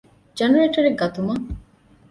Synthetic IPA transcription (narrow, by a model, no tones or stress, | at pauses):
d͡ʒɐnɐɾeːʈɐɾeɡɐt̪umɐ